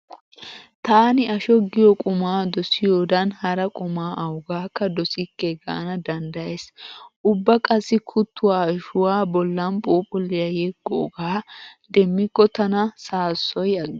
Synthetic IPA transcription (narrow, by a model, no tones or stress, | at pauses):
t̪aːnɪɐʃɔɡːɪjɔkʼʊmaːd̪ɔsɪjoːd̪ɐnhɐɾɐkʼʊmaːʔɐwɡaːkːɐd̪ɔsɪkːɛɡa̰ːnɐd̪ɐnd̪ɐjesʔʊbːɐkʼɐsɪkʰʊt̪ːʊwaːʃʊwaːbɔlːɐnpʼuːpʼʊlːɪjɐjɛɡːɔːɡaːd̪ɛmːɪkːɔt̪ɐnɐsaːsːɔjɐ